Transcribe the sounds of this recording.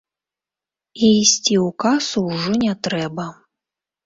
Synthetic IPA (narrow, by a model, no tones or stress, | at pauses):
iisʲt͡sʲiukasuwʐɔnʲɛt̪ɾɛbɐ